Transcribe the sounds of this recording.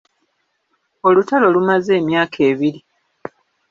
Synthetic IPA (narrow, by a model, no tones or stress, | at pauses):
o̞lutalo̞lumaze̞ːmjaːkʰe̞ːβiɾi